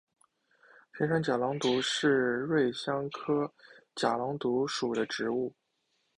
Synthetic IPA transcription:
pʰjɛ˧˥nʂɑ˥ŋt͡ɕja˨˩lɑ˧˥ŋt̪u˧˥ʂɻ̩˥˧ɻwe˥˩ɪɕjɑ˥ŋkʰɤ˥t͡ɕja˨˩lɑ˧˥ŋt̪u˧˥ʂu˨˩d̪ə˦ʈ͡ʂɻ̩˧˥u˥˩

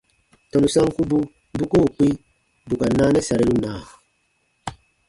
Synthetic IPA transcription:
tɔ˨nu˨sa˦ŋ˦ku˦bu˦ | bu˦ku˦u˨k͡pi˦ | bu˨ka˨naː˦nɛ˦sa˨ɾi˨lu˦naː˨

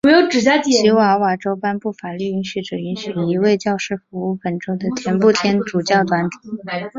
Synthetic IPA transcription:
ɔ˧˥jo˧˥ʊʈ͡ʂɻ̩˨˩ja˥t͡ɕjɛ˨˩˨ɕi˧˥wa˧˥wa˨˩ʈ͡ʂo˥ʊpa˥npu˥˩fa˨˩ly˥˧y˧˥nɕy˧˩ʈ͡ʂɤ˨˩i˧˥nɕy˨˩i˧˥we˥˧ɪt͡ɕjɑ˥˧ʊʂɻ̩˥˩fu˧˥u˥˩pə˨˩nʈ͡ʂo˥ʊd̪ə˨t̪ʰjɛ˧˥npu˥˩t̪ʰjɛ˥nʈ͡ʂu˨˩t͡ɕjɑ˥˩ʊt̪wa˧˥nt̪ʰi̥˨˩˦

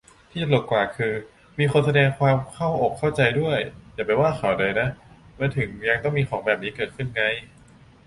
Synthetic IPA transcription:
t̪ʰiː˥˩t͡ɕa˨˩lo˨˩t̪̚kwaː˨˩kʰɯː˧ | miː˧xo˧ns̬a˧dɛː˧ŋkʰwaː˧mkʰa˥˩wʔoː˨˩kʰːa˥˩wt͡ɕa˧jdu˥˩əjjaː˨˩pa˧jwaː˥˩xʰa˨˦wdɤː˧jna˦˥ʔmɯː˧nt̪ʰɯ˨˩˦ŋja˧ŋt̪ɔ˥˩ŋmiː˧xʰɔː˩˦ŋbɛː˨˩p̚niː˦˥kɤː˨˩t̪̚kʰɯ˥˩nŋa˧˥j

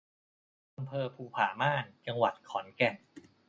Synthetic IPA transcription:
ʔa˧mpʰɤː˧pʰuː˧pʰaː˩˦maː˥˩nt͡ɕa˧ŋwa˨˩t̪̚kʰɔː˩˦nkɛ˨˩ŋ

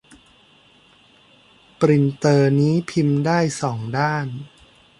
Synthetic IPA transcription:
pɾi˨˩nt̪ɤː˧niː˦˥pʰi˧mdaː˥˩jsɔː˩˦ŋdaː˥˩n

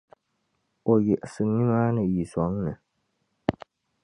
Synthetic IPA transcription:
o˨ji˨ʔsɨ˨ɲi˦maː˦nɨ˨ji˨sɔ˨˦ŋ˦nɨ˨

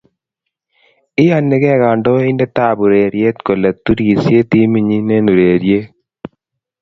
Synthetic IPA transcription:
ɪ˦a˦nːɪ˨˦kɛ˦ɣa˨ɳɖo˦ɪ˦ndɛ˦t̪aː˦bu˨ɾeː˨ɾje˦t̪ko˨lɛ˨t̪ːu˦ɾi˨sje˦t̪i˦mi˨ɲi˦ne˦nu˨ɾeː˨ɾje˦

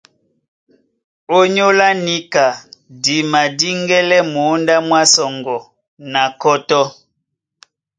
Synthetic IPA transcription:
o˦ɲo˦la˦ni˦ka˨di˨ma˨di˦ŋɡɛ˦lɛ˦mo˨˦nda˦mwa˦sɔ˨ŋɡɔ˨ | na˨kɔ˦tɔ˦

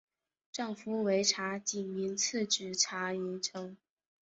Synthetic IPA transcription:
ʈ͡ʂɑ˥˩ŋfu˧˥we˧˥ɪʈ͡ʂʰa˧˥t͡ɕi˨˩nmi˧˥nt͡s̩ʰ˥˩ʈ͡ʂɻ̩˨˩ʈ͡ʂʰa˧˥i˧˥nʈ͡ʂʰɤ˥ŋ

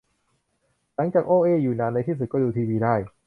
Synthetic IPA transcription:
la˩˦ŋt͡ɕaː˨˩k̚ʔoː˧ʔeː˧juː˨˩naː˧nːa˧jt̪ʰiː˥˩s̬u˨˩kɔː˥˩duː˧t̪ʰiː˧wiː˧daː˥˩j

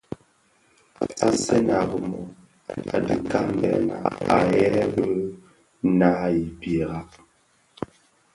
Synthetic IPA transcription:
a˨se˦na˨ɣə˨mɔ˨ | a̰˨dɨ˨ka˦m˦bɛ̰˨na̰˨a˨jɛ˦bə˦ | na˦i˨bje˨ɣa˦ʔ

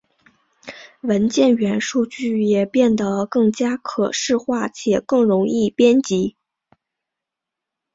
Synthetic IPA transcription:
wə˧˥nt͡ɕjɛ˥˩nɥɛ˧˥nʂu˥˧t͡ɕy˥˩jɛ˨˩pjɛ˥˩nd̪ə˩kɤ˥˩ŋt͡ɕja˥kʰɤ˨˩ʂɻ̩˥˧xwa˥˩t͡ɕʰjɛ˨˩kɤ˥˩ŋɻʊ˧˥ŋi˥˩pjɛ˥nt͡ɕi˧˥

